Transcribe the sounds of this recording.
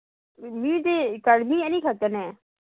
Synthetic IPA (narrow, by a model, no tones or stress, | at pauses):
mĩːd̪eːkəɽmiːɛnĩːkʰət̪ənɛ̃ː